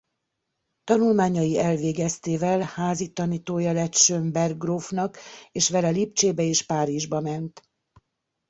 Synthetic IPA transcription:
t̪ɒnulmaːɲɒjiɛlveːɡɛst̪eːvɛlhaːzit̪ɒniːt̪oːjɒlɛt̪ʃømbɛrɡroːfnɒkeːʃʋɛlɛlipt͡ʃeːbɛeːʃpaːɾiʒbɒmɛnt̪

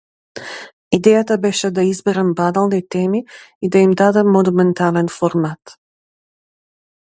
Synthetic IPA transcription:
id̪ɛjat̪abɛʃɛd̪aizbɛɾɛmbad̪alˠnit̪ɛmiːd̪aimd̪ad̪ɛmːɔnumɛnt̪alɛnfɔɾmat̪

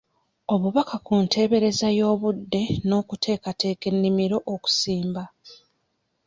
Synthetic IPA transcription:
o̞βuβakakuntʰe̞ːβe̞ɾe̞zajo̞ːβudːe̞no̞ːkutʰe̞ːkate̞ːke̞nːimiɾo̞ʔoku̥siːmba

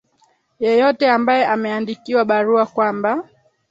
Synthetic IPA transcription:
jɛjɔtɛambajɛʔamɛandikiwaɓaɾuakwamba

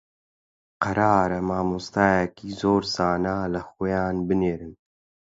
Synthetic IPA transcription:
qɐɾaːɾɐmaːmust̪aːjɛkiːzoːɾz̥aːnaːlɐxoːjaːnbɨneːɾɨn

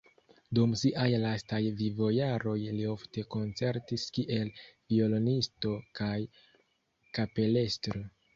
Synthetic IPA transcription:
dumsiʔajlastajvivo̞jaɾo̞jlio̞fte̞ko̞nt͡se̞ɾtiskiʔe̞lvio̞lo̞nisto̞kaj | kape̞le̞stɾo

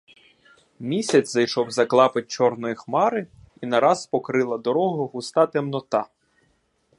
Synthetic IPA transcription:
mʲisʲɐt͡sʲzɐjʃɔwzɐklˠɑpɪt̚ʲt͡ʃɔrnɔjixmɑɾɪ | inɐɾɑzpɔkɾɪlˠɐd̪ɔɾɔɦʊɦʊst̪ɑt̪ɛmnɔt̪ɑ

